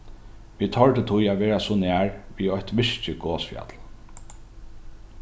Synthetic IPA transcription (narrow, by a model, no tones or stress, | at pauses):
ʋiːt̪ʰɔlʈ̪ət̪ʰujæːʋeːɹasɔnæːɹʋiːɔht̪ʋɪʂt͡ʃəɡoːsfja̰t̪l